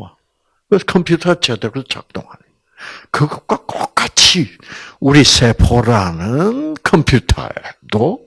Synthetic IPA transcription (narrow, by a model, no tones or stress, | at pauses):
a | kɯskʰʌmpʰjutʰat͡ɕed̪eɾɯt͡ɕa̰k̚t̪͈ɔ̰ŋa̰ni | kɯɡʌkakɔkat͡ɕʰiuɾisepʰɔɾanɯnkʰɔmpʰjutʰa̰ḛd̪ɔ